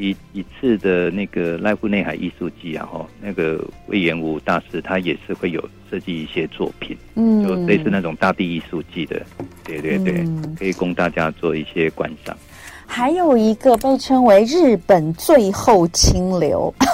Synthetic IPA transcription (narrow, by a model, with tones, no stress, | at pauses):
i˧˥i˧˥t͡sʰɹ̩˥˩d̪ə˩na˥˩ɡə˩la˥˧ɪfu˥˧ne˥˩xa˨˩ɪʔḭ˥˧su˥˧t͡ɕi˥˩ja̰˨˧xɔ˥˩na˥˩ɡə̰˩wḛ˥˩ɪɥɛ˧˥nu˧˩t̪a˥˩ʂɻ̩˥t̪ʰa˥jɛ˨˩ʂɻ̩˥˧xwe˥˩ɪjo˨˩ʊʂɤ˥˧t͡ɕi˥˧i˥˩ɕjɛ˦t͡swɔ̰˥˩pʰḭ˨˩˦nn̩˥jo˥˩ʊle˥˧ʂɻ̩˥˧na˥˩ʈ͡ʂʊ˨˩ŋt̪a˥˧t̪i˥˧i˥˧su˥˧t͡ɕi˥˩d̪ə̰˩t̪we˥˩ɪt̪we˥˧ɪt̪we˥˩kʰɤ˧˥i˨˩kʊ˥ŋt̪a˥˩t͡ɕja˦t͡swɔ˥˧i˥˩ɕjɛ˦kwa̰˥nʂɑ̰˥˩ŋ | xa˧˥ɪjo˨˩ʊi˧˥ɡə˧pe˥˩ɪʈ͡ʂʰɤ˥ŋwe˧˥ɪɻɻ̩˥˩pə˨˩nt͡swe˥˧ɪxo˥˩ʊt͡ɕʰi˥ŋljo̰˧˥ʊ